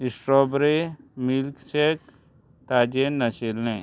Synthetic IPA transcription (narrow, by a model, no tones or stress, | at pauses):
isʈɾɔːbɾemilkt͡ʃek̚ | t̪aːd͡ʒenːɐʃilːẽ